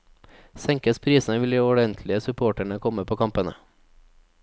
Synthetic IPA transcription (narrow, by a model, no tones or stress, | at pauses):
sɛŋkəspʰɾiːsn̩əʋɪliːɔɖɛnt̪ʰlɪəsʉpʰoːʈæɳəkʰɔməpʰoːkʰɑmpənə̰